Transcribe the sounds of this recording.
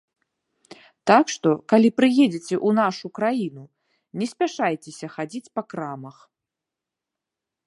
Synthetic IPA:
t̪akʂt̪ɔkalʲipɾɨjed͡zʲit͡sʲɛʔunaʂukɾajinu | nʲɛsʲpʲaʂajt͡sʲesʲɐxad͡zʲit͡sʲpɐkɾamɐx

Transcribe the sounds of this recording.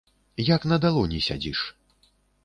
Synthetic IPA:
jaknɐd̪alˠɔnʲisʲa̰d͡zʲiʂ

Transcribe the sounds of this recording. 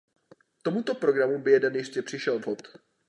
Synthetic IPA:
t̪o̞mut̪o̞pɾo̞ɡɾamubɪjɛdɛnjɪscɛpr̝̥ɪʃɛlvɦot̪

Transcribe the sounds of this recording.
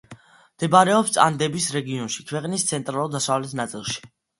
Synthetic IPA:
md̪̥ɛbaɾɛɔpst̪sʼa̰nd̪ɛbisɾɛɡiɔnʃikʰwɛqʼnist̪sʰɛnt̪ʼɾalˠud̪asavlɛt̪ʰnat̪sʼilˠʃi̥

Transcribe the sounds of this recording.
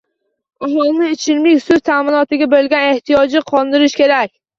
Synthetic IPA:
ʊmʊlˠnɪet͡ʃʰɪlmlɪkʲsɵzt̪ʰaːmɪnɒt̪ɪɡʲabelɡʲane̞ht̪ijɒd͡ʒɪqʰɒlˠd̪ɪɾɪʃkʲe̞ɾakʲ

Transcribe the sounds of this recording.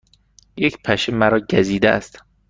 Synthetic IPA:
jecʰpʰæʃemæɾɒːɟæziːd̪ææ̰st̪

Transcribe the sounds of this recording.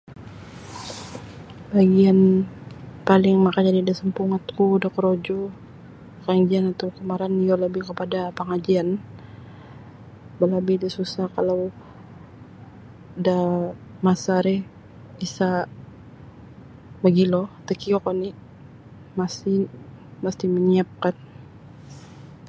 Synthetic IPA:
baɡian | palɪŋmakaɲadidasəmpuŋat̪kudakəɾod͡ʒɔ | kaŋd͡ʒianat̪awkəmaɾanijoləbɪhkəpadapəŋad͡ʒian | balabidisusahkalaw | da | masaɾɛh | isa | baɡilɔt̪əkiokɔni | masi | məst̪iməɲiap̚kan

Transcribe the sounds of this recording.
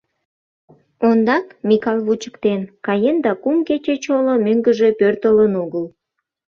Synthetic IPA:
ond̪ɑkmʲikɑlˠβut͡ɕə̥kt̪enkɑjend̪ɑkumket͡ɕet͡ɕolomøŋɡəʒe̽pørt̪ələnuɣəl

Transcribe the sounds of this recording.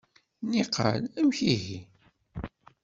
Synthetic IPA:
niqʰə̰læmçiʝi

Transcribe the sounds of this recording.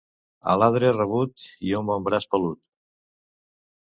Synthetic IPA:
ə̰laðɾerəβ̞ut̪iomombɾaspəlut̪

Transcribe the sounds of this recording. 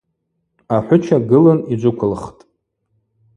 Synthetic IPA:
aħʷʊt͡ʃʰaɡɨlɨnid͡ʒʷʊkʷʰʊlχtʼ

